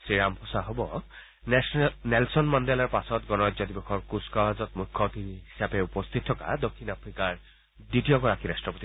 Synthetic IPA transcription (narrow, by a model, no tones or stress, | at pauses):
sɹiɹampʰɔsaɦobɔ̰ | nɛlsɔnmandɛlɔɹpasɔtɡɔnɔzɔdibɔxʰɔɹkuskɔɦazɔt̚mukʰːɔt̪iɦisapɛupɔst̪ʰit̚ʰːɔka̰d̪okʰːinapʰɹikaɹ | ditijɔɡɔɹakiɾastɹɔpot̪i